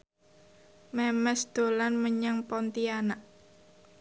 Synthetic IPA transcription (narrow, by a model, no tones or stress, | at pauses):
mɛmɛsd̪̥o̤lanməɲaŋpɔnt̪ianaʔ